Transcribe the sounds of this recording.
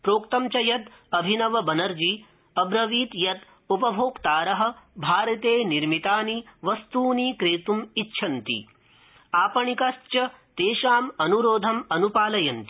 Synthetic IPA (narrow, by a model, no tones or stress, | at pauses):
pɾoːkt̪ɐmt͡ʃɐjɐt̪ɐbʱinɐʋɐbɐnɐɾd͡ʒiː | ɐbɾɐʋiːt̪jɐt̪ | upɐbʱoːkt̪aːɾɐɦɐ̆bʱaːɾɐt̪eːniɾmit̪aːniʋɐst̪uːniːkɾeːt̪umitːʃʰɐnt̪ḭ | aːpɐɳikɐst͡ʃɐ | t̪eːʃaːmɐnuɾoːd̪ʱɐmɐnupaːlɐjɐnt̪i̥